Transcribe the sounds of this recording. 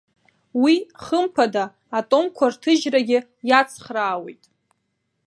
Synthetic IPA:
wiχəmpʰadaː | tʼomkʷʰartʰɨʒraɡʲɪ | jat͡sʰχraːwe̞̰jtʼ

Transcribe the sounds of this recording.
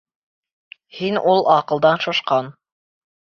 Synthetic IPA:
hinulˠɑqɤ̆lˠd̪ɑnʃŏʃqɑn

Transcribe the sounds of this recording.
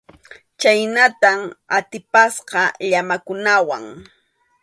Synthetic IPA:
t͡ʃajnat̪amat̪ɪpasqɑʎamakʊnawa̰ŋ

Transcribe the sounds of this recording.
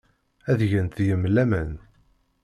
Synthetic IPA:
æðʝənt̪jəmlæmən

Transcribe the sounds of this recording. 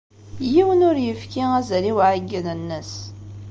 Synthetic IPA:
jiwənʊɾjəfkiŋæzæliwʕaɡːənənːəs

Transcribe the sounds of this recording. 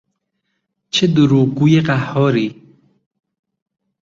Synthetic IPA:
t͡ʃʰed̪uɾukujeqahɔɾi

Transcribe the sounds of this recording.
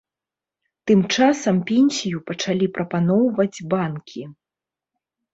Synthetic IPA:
t̪ɨmt͡ʂasɐmpʲɛnʲsʲijupɐt͡ʂalʲipɾʔɐpanɔwvɐd͡zʲbankʲʰi

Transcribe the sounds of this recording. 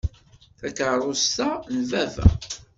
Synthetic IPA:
θækəɾˤʊst̪anvævæ̰

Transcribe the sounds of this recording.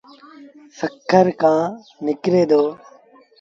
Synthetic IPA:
səkʰːəɾkãː | nɪkɾeːd̪oː

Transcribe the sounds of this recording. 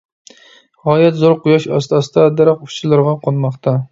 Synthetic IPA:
ʁɑːjɛt̪zoɾqʊjɑʃɑ̰st̪ɑsɨd̪ɑd̪æɾɑqʊt͡ʃʰɪlˠɨɾʁɑqʰonmɑχt̪ʰɑ

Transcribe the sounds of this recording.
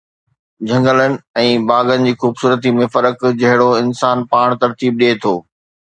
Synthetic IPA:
d͡ʑʱɐ̃ŋɡələnɪ̆ɛ̃ːbaːɡənɪ̆d͡ʑiːxuːbsuːɾət̪̬imẽfɐɾəkd͡ʑɐɦɪɽoɪnsaːnpaːɽ̃t̪ɐɾt̪iːb̚ɗiet̪ʰoː

